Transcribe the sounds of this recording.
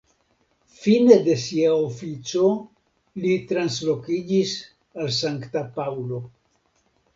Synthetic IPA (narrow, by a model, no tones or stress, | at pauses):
fine̞d̪e̞siaofit͡so̞ | lit̪ɾanslo̞kid͡ʒis | als̬aŋkt̪apawlo̞